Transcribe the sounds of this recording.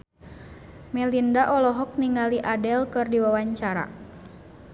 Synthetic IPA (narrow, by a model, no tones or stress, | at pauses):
mɛlindaʔɔlɔɦɔk̚niŋaliʔadɛlkɨrdiwawaɲt͡ʃaɾa̰